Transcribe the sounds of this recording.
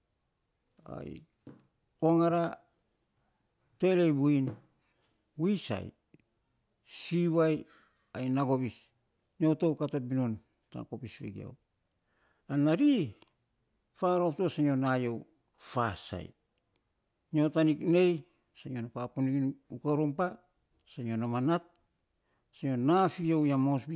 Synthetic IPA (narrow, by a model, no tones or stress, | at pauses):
a̰j̰ | ko̞ŋaɾa | te̞lejbuin | wisa̰j | siβaj | ajnaɡo̞βis | ɲotowkatabinon | ta̰kopisɾḛɡḭa̰w | anaɾi | faɾoptosaɲonajow | fasa̰j | ɲotanikne̞j | saɲonapaponiɡinukaɾompa | saɲonamanat̚ | saɲonafiowjamosbi